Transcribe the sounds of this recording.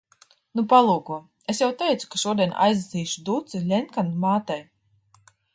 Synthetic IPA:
nupalˠuːkuɔ | esjawt̪ɛjt̪su̥kaʃuɔd̪ʲijɛn̰ʔa̰jzd̪asiːʃud̪ut̪silʲɛnkanmaːt̪ɛj

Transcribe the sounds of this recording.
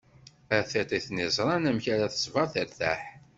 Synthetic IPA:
æθet̪ˤiθnizˤɾˤɑnæmçæɾæθə̥sˤvɑɾˤθəɾθæħ

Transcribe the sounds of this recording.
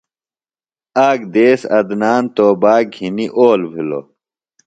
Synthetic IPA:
aːɡd̪eːsɐ̰d̪naːnt̪oːbaːɡʱiniʔoːlbʱilo̰

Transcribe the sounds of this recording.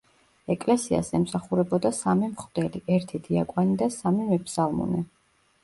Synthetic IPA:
ɛkʼlɛsia̰sɛmsaχuɾɛbɔd̪asamimχd̪ɛliʔɛɾt̪ʰid̪ia̰kʼwanid̪asamimɛpʰsalˠmɔ̰nɛ

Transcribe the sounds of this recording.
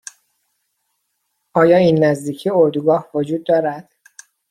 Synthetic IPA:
ʔɒːjɒːiːnːæzd̪iːcʰioɾd̪uɡɒːhvod͡ʒuːd̪̚ːɒːɾæd̪̥

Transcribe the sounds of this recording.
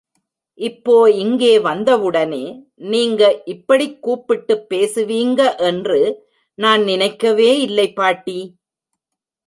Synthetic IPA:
ʔɪpːoːɪŋɡeːʋɐnd̪ɐʋɯɽɐneː | niːŋɡɐʔɪpːɐɽɪkːuːpːɪʈːɯpːeːsɯʋiːŋɡɐʔɛndrɯ | naːnnɪnɐɪkːɐʋeːɪlːɐɪpːaːʈːiː

